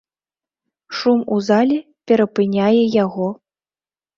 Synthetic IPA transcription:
ʂumuzalʲɛ | pʲɛɾɐpɨnʲajɛjaɣɔ

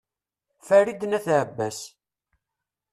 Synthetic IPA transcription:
fæɾid̪næθʕbːæs

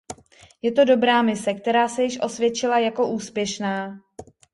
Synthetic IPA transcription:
jɛt̪o̞do̞bɾaːmɪsɛk̚t̪ɛɾaːsɛjɪʃʔo̞svjɛt͡ʃɪlajako̞ʔuːspjɛʃnaː

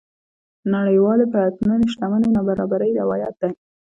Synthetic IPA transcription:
naɽəjwɑlepəat̪maneʃt̪amanenabaɾɑbaɾəjɾawɑjat̪̚d̪aj

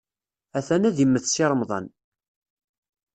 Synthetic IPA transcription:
æθænæðimːəθsiɾˤəmðˤɑ̰n

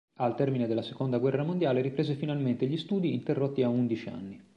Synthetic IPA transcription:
alt̪ɛrmined̪elːase̥kond̪aɡwɛrːamond̪jaːleɾipɾeːzefinalment̪eʎist̪uːd̪iːnt̪erːot̪ːiaund̪it͡ʃia̰nːi

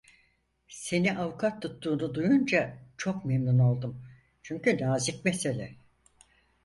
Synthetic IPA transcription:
se̞niʔawukʰat̪ʰːut̪ːuːnud̪ujund͡ʒat͡ʃʰo̞kmemnuno̞lˠd̪um | t͡ʃʰyɲcynaːzicmese̞lʲɛ̰

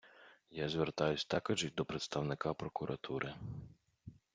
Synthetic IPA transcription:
jazʲʋert̪ɑjʊsʲt̪ɑkɔd͡ʒɪwʲd̪ɔpɾet̪st̪ɐwnɪkɑpɾɔkʊɾʔɐt̪ʰuɾʔɪ

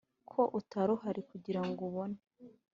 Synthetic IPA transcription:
kʰo̞ʔutaɾoɦaɾikuɟiɾaŋɡuβo̞ne̥

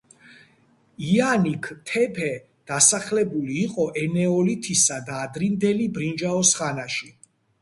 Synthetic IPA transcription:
ianikʰt̪ʰɛpʰɛ | d̪̥asaχlɛbuliːqʼɔʔɛnɛɔlit̪ʰisad̪aːd̪ɾind̪ɛlibɾind͡ʒaɔsχanaʃi

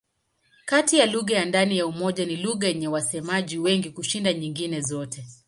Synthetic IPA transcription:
katijaluɣajandanijaumɔʄaniluɣajɛɲɛwasɛmaʄiwɛŋɡikuʃindaɲiŋɡinɛzɔtɛ

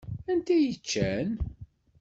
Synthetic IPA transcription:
ænt̪æjət͡ʃːæn

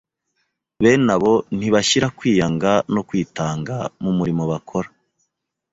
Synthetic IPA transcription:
βe̞naβo̞n̥iβaçiɾakwiːjaŋɡanokwiːtaːŋɡamumuɾimo̞βakʰoɾa

